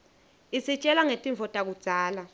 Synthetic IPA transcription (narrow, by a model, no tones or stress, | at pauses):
isit͡ʃʼɛlaŋetʼiɱvʱɔtʼak̬ud̥z̥ʱaːla